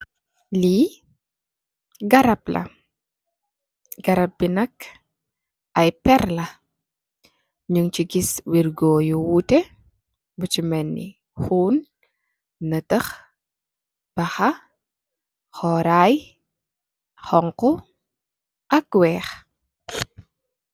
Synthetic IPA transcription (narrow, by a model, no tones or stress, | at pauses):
liː | ɡɐɾɐplɐ̰ | ɡ̥ɐɾɐp̚binɐk | ɐjpɛrlɐ | ɲuŋt͡ʃiɡiswirɡoːjuwutɛ | but͡ʃimɛnːḭ | huːn | nətəx | b̥ɐxɐ | xɔɾaj | xɔŋkɔ | ʔɐk̚wɛːx